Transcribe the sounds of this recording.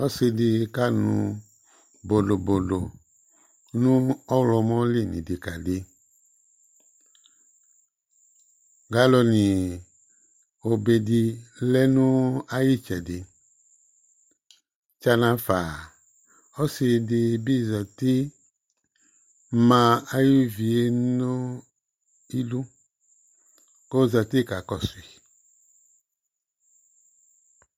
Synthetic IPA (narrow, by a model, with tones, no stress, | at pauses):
ɔ˦si˧di˧ka˦nṵ̃˧ | bo˨do˨bo˨lo˨ | nũ˦ɔ˦wlɔ˧mɔ̃˦li˦˨nḭ̃˨di˨ka˨di˨ | ɡa˨˦lɔ˧nĩ˨ | o˨be˨di˧lɛ˦nũ˦a˦ji˦t͡ʃɛ˨di˨ | t͡ʃa˧nã˨˦fa˨ | ɔ˦si˧di˧bi˦˨za˨ti˦ | mã˧a˦ji˦vi˨e˦no˦ | i˦lu˦ | ko˦˨za˨ti˦ka˨kɔ˨si˨